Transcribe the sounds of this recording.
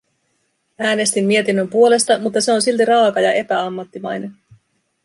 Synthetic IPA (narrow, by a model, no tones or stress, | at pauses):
æːne̞st̪imːie̞t̪inːø̞mpuo̞le̞st̪ɑmut̪ːɑse̞o̞nsilt̪irɑːkɑjɑʔe̞pæɑmːɑt̪ːimɑ̰jne̞n